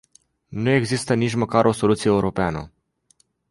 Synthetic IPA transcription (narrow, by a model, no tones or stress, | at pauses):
nue̞ɡzist̪ənit͡ʃməkaɾʔo̞so̞lut̪sijeeuɾo̞peanə̰